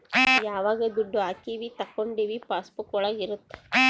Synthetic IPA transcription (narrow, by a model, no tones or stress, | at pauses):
jaːʋaːɣɐd̪uɖːuaːkːiʋit̪ɐkːoɳɖiʋipaːspukɔɭɐɪɾɯt̪ːɐ̥